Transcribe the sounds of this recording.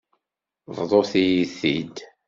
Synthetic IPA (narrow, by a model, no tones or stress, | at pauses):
vðˤoθijiθid̪